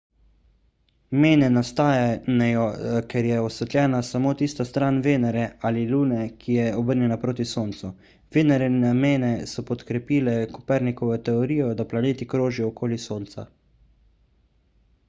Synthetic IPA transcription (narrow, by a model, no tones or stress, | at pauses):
meːnɛnast̪aːjanjɔkɛɾjɛɔsʋɛt̪lʲjɛːnasamoːt̪iːst̪ast̪ɾaːnʋeːnɛɾɛaːliluːnɛkʰijɛɔbəɾnjɛnapɾoːt̪isoːnt̪su | ʋeːnɛɾɛnameːnɛsɔpɔt̪kɾɛpiːlɛku̥pɛɾnikɔʋɛt̪ɛɔɾiːjɔd̪aplaneːt̪ikɾoːʒiɔːkoːlisoːnt̪sa̰